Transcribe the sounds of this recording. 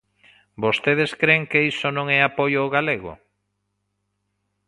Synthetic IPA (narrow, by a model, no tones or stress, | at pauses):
bost̪eðeskɾeŋkeisonõŋɛapojoːɣaleɣʊ̰